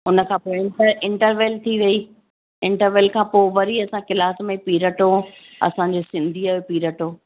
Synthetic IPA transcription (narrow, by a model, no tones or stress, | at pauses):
ʊnə̆kʰãːpoːɪ̃ɳʈəɾɪ̃ɳʈəɾʋeːlt̪ʰiʋɐiː | ɪ̃ɳʈəɾʋeːlkʰãːpoːʋɐɾiɐsãkɪlaːsmẽpiːɾəʈo | ɐ̰sãɲd͡ʑoːsɪ̃nd̪ʱiaːɦopiːɾəʈoː